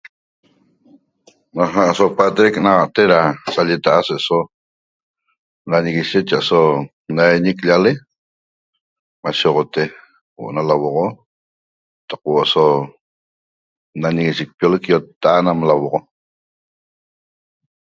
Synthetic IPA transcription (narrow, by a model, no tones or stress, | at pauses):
naɦaʔsopat̪ɾeknaʁɑʔt̪eɾat͡sʼaʎet̪aʔaseʔso | naɲeɣiʃet̪t͡ʃaʔso | najɲikʎale | maʃeʁot̪e | wo̰ʔonalawoʁo | t̪aqwoʔoso | naɲeɣiʃek̚pjolekjot̪ːaʔanamlawoʁo